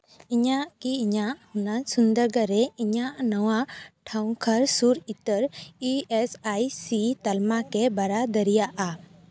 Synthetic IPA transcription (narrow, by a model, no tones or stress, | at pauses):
iɲaʔkiːɲaʔhunasund̪əɾɡəɾɛiɲaʔnɔwaʈʰaw̃kʰəɾsuɾit̪əɾiesajsit̪almakɛbaɾad̪əɾijaʔa